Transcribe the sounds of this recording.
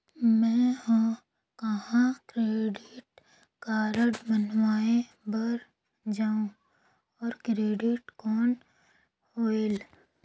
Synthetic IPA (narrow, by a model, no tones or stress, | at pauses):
mɛ̃ːɦo | kɐɦãkɾeːɖɪʈ | kaːɾəɖbənwaːe | bəɾ | d͡ʒaːũ | ɔːɾkɾeːɖɪʈkɔːn | hoːel